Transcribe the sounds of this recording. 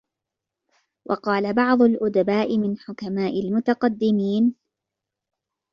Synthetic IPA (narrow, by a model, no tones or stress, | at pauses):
wʔɑ̰qɑːlabɑʕd̪ˤʊlʔʊd̪abaːʔɪmɪnħʊkamaːʔɪlmʊt̪aqɑd̪ːɪmiːn